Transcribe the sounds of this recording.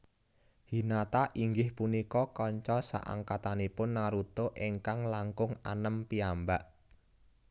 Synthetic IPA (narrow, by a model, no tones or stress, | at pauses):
hinat̪aʔiŋɡɪhpunikɔkɔɲt͡ʃɔsa̰ʔa̰ŋkat̪anipʊnːaɾut̪oʔeŋkaŋlaŋkʊŋa̰nəmpiambaʔ